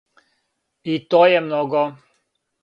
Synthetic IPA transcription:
it̪oːjɛmnɔɡɔ

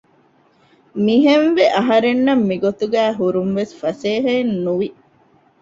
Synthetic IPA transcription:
miɦenʋeʔɐɦɐɾenːɐmːiɡot̪uɡæːɦuɾumʋesfɐseːɦɐinːuʋi

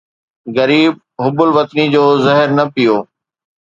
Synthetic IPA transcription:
ɣɐɾiːb̚ɦʊbʊlʋɐt̪nid͡ʑoːzɐɦəɾnɐpijoː

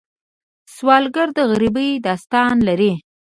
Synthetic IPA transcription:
swɑlɡaɾd̪əɣaɾibəjd̪ɑst̪ɑnlaɾi

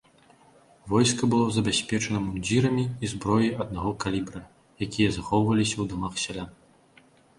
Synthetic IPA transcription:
vɔjskɐbɨlˠɔzɐbʲasʲpʲɛt͡ʂɐnɐmunʲd͡zʲiɾɐmʲiːzbɾɔjiɐd̪̚naɣɔkalʲibɾɐ | jakʲijɐzaxɔwvɐlʲisʲɐwd̪ɔmaxsʲalʲa

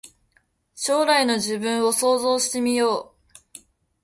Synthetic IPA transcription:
ɕo̞ːɾaino̞ʑibɯ̟̃ɰ̃o̞so̞ːzo̞ːɕi̥t̪e̞mʲijo̞ː

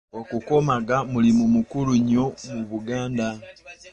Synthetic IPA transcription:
okuko̞maɡamulimumukuluɲo̞muβuɡaːnda

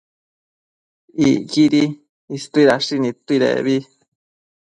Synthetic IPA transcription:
iɣiɾi | ist̪uiɾaʂinĩt̪uiɾḛβi

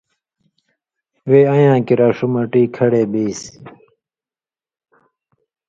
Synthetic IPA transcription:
weːajãːkiɾaːʂumɐʈiːkʰɐɽeːbiːs

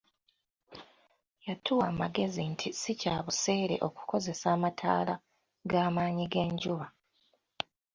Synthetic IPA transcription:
jatʰuwaːmaɡe̞zintʰisicaːβuse̞ːɾe̞̰ʔo̞ku̥ko̞ze̞saːmatʰa̰ːla | ɡaːmaːɲiɡe̞ːɲɟuβa

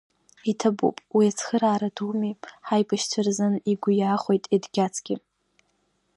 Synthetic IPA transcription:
itʰabṵpʼwiat͡sʰχəɾaːɾadumipʼħajbʰaʃt͡sʷʰarzɨniɡʷʊjaːχʷo̞jtʼidɡʲat͡sʰɡʲɪ

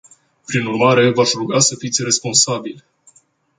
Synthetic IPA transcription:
pɾinurmaɾe̞vaʃɾuɡasəfit̪sʲre̞spo̞nsabilʲ

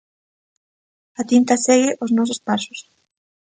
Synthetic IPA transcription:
at̪int̪asɛɣɪʔoznɔsospasʊ̥s

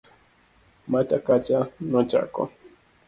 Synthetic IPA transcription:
mat͡ʃakat͡ʃanot͡ʃa̰ko̰

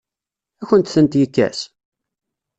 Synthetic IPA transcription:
æçənt̪θənt̪jəkːæ̰s

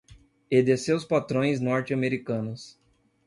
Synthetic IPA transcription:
ed̪esewspat̪ɾõj̃znɔɾt͡ʃɪɐmeɾikɐ̃nʊs

